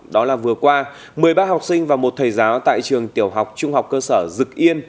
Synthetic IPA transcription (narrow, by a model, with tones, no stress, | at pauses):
ɗɔ˨˦laː˨˩vɨ˨˩əkwaː˧ | mɨ˨˩əjɓaː˧ɦa˨˩wk͡p̚sï˧ŋ̟vaː˨˩wmo˨˩t̚t̪ʰə˨˩jzaː˨˦wt̪a̰ː˧˨jt͡ɕɨ˨˩əŋt̪i˧˩əwɦa˨˩wk͡p̚t͡ɕʊ˧ŋ͡mha˨˩wk͡p̚kəː˧səː˧˩zɨ˨˩k̚ʔi˧ən